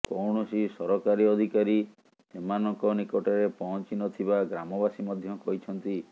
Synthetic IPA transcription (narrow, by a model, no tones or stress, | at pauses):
kɔwɳɔsisɔɾɔkaɾiɔd̪ʱikaɾi | semanɔŋkɔnikɔʈɔɾepɔɦɔnt͡ʃinɔt̪ʰibaɡɾamɔbasimɔd̪ʱjɔkɔɦit͡ʃʰɔnt̪i